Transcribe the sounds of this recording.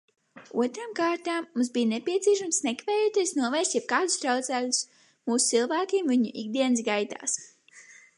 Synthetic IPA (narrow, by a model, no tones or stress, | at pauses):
ṵɔt̪ɾaːmkaːɾt̪aːmːums̬bijnepiɛt̪siɛʃamsnɛkvɛːjuːt̪iɛsnuɔvɛjst̪ʲjɛb̚kaːd̪ust̪ɾawt̪sæːklʲus | muːsu̥t̪silˠvæːkimviɲṵʔḭɡ̚d̪iɛnsɡajt̪a̰ːs